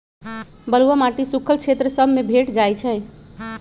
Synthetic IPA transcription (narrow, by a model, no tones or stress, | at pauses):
bəluwəmaʈisukʰəlt͡ʃʰet̪ɾəsəbʱmebʱeʈd͡ʒajt͡ʃʰɛ